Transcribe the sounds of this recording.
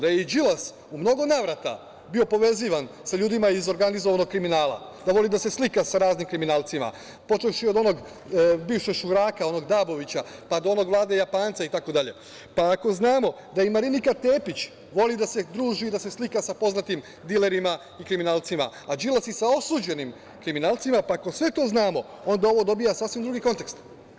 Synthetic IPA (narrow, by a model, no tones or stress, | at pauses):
d̪ajed͡ʒilas | umno̞ɡo̞naːʋɾat̪a̰ | bio̞po̞ʋe̞ziʋansaʎuːd̪imaizo̞ɾɡanizoʋanoɡ̥̚kɾiminaːla̰d̪aʋo̞lid̪ase̞slikasaɾaːznimkɾiminaːlˠt̪sima̰ | po̞t͡ʃefʃio̞d̪o̞no̞ɡ | biːfʃeɡʃuɾaːkao̞no̞ɡd̪aːbo̞ʋit͡ɕapad̪oo̞no̞ɡʋlˠaːd̪e̞japaːnt̪sait̪ako̞d̪aʎe̞̰ | paːko̞znaːmo̞ | d̪aimaɾinikat̪e̞ːpit͡ɕ | ʋo̞lid̪ased̪ɾuːʒid̪ase̞slikasapo̞znat̪im | d̪ile̞ɾima | ikɾiminaːlˠt̪sima | ad͡ʒilasisao̞suːd͡ʑe̞nim | kɾiminaːlˠt̪simapaːko̞sʋe̞t̪o̞ːznaːmo̞ | o̞nd̪ao̞ʋo̞d̪o̞bijasaːsʋimd̪ɾuɡiko̞nt̪ekst̪